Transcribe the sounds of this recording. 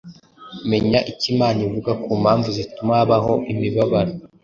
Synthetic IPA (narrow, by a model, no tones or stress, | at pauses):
me̞ɲaʔicimaːnivuɡakuːmhaːɱvuzitumaβaɦo̞ʔimiβaβaɾe